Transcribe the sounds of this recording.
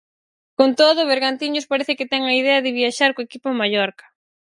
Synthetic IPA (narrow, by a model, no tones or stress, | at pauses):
kont̪oðʊβeɾɣant̪iɲospaɾɛθɪkɪt̪ɛŋɐiðɛɐðɪβiaʃaɾkoekipomaʎɔɾkɐ̥